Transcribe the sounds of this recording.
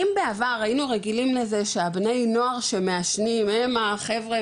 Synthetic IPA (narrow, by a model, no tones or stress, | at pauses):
imbeavaʁainuʁeɡilimle̞ze̞ʃeabne̞jno̞aʁʃemeaʃnimemaχe̞vʁe